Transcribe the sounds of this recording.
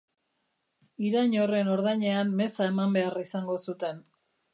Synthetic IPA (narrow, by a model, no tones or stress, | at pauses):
iɾaɲore̞no̞ɾðajɲe̞anme̞sae̞mambe̞arisaŋɡo̞sut̪e̞n